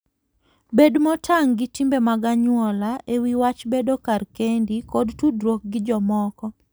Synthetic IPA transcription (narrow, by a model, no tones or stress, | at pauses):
bedmɔtʰaŋɡɪtimbemaɡaɲwɔlaʔewiwat͡ʃbedokarkendikodtudɾok̚ɡɪd͡ʒɔmɔkɔ